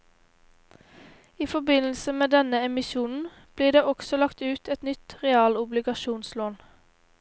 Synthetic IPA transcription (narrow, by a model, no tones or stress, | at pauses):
iːfɔbɪnl̩səmeːd̪ɛnəɛmɪʃuːnn̩ | b̥liːd̪eːʔɔksɔlɑkt̪ʉːt̪ʰɛt̪nʏt̪ʁɛɑːlʊblɪɡɑʃuːnsloːn